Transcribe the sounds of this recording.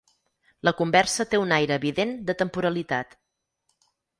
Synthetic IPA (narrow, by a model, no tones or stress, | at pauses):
ləkumbɛrsət̪eunajɾəːβiðend̪ət̪əmpuɾəlit̪at̪